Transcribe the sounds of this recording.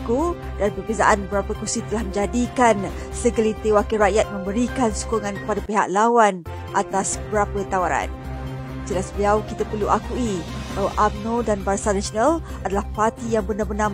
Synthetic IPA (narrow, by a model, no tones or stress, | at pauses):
ku | danpərbeza̰ʔanbəɾapəkusit̪əlahmə̃ɲd͡ʒadikan | səɡəlit̪ewakiɾaʔjat̪̚mə̃mbəɾikansu̥kuŋankə̥padapeɦa̰ʔ̚lawan | ʔat̪asbəɾapət̪awaɾa̰n | d͡ʒəlasbəliawkit̪apərluʔakuiəʔamnodanbarsanasonal | adalahpart̪ijaŋbənabənam